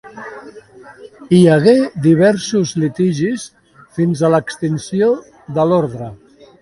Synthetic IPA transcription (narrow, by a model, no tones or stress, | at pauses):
iəɣed̪iβ̞ɛɾsuzlit̪iʒis | finzələkst̪insio | ðəloɾðɾə